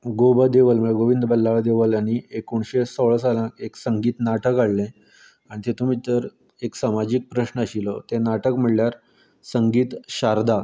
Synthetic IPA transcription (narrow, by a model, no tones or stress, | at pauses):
ɡobəd̪eʋəlməɡoʋind̪əbəlːaɭd̪eʋəlaɽ̃iekuɳɕesoɭsalãkeksəŋɡiːt̪naʈəkaɭlẽ | aɽ̃it̪et̪um̤iːt̪əɾ | eksamad͡ʑiːk̚pɾəɕnəəɕilɔt̪ẽnaʈəkm̤iɭljaɾ | səŋɡiːt̪ɕaɾd̪ʱa